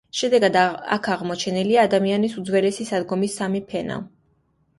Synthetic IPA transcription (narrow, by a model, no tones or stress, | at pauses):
ʃɛd̪ɛɡad̪a̰kʰaʁmɔt͡ʃʰɛniliaːd̪amianisud̪zwɛlɛsisad̪ɡɔmisːamipʰɛna̰